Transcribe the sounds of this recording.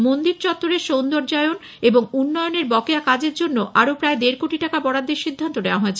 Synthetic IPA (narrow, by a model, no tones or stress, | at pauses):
mond̪iɾt͡ɕɔt̪ːoɾeɾʃownd̪oɾd͡ʑaeon | eboŋunːɔoneɾbɔkeakad͡ʑeɾd͡ʑonːoʔaɾopɾaed̪eɾkoʈiʈakabɔɽad̪ːeɾʃid̪ʱːant̪oneowaɦoet͡ɕʰe